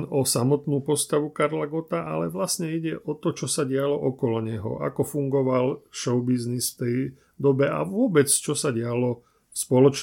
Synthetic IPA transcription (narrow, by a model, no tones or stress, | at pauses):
nɔsamɔt̪nuːpɔst̪aʋukaɾlaɡɔt̪aʔa̰lɛʋlasɲɛiɟɛʔɔt̪ɔt͡ʃɔsaɟɪalɔʔɔkɔlɔɲɛɦɔ̰ʔa̰kɔfuŋɡɔʋalfʃɔʊbiznisft̪ɛj | d̪ɔbɛa̰ʋʊɔbɛt͡st͡ʃɔsaɟɪalɔ | fspɔlɔt͡ʃ